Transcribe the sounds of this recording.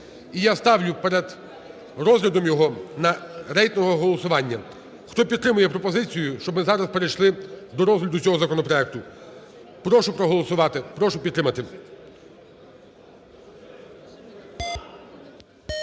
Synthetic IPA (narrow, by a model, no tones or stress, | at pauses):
ijast̪ɑwlʲʊpɛɾed̪ | ɾɔzɦlʲɐd̪ɔmjɔɦɔnɐɾɛjt̪nɔɦɔɦɔlˠɔsʊʋɑnʲːɐ | xt̪ɔpʲid̪t̪ːɾɪmʊjɛpɾɔpɔzɪt͡sʲijʊʃt͡ʃɔbmɪzɑɾɐspeɾejʃlˠɪd̪ɔɾɔzɦlʲɐd̪ʊt͡sʲɔɦɔzɐkɔnɔpɾɔɛk̚t̪ʊ | pɾɔʃʊpɾɔɦɔlˠɔsʊʋɑt̪ɪpɾɔʃʊpʲt̪ːɾɪmɐt̪ɪ